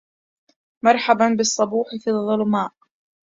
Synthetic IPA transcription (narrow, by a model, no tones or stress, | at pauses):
mɑɾˤħabanbɪsˤːɑbuːħɪfiðˤːɑlmaːʔ